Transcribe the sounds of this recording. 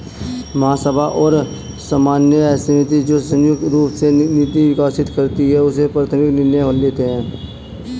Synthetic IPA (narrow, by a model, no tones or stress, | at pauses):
mɐɦasəbʱaʔɔːɾ | samaːnjəɛːsnɪt̪id͡ʒoːsə̃jʊk̪̚ɾuːpsenɪt̪iʋɪkaːsɪt̪kəɾt̪iɦɛʊsepɾət̪ʰəmɪknɪnjeɦoleːt̪eɦɛ̃ː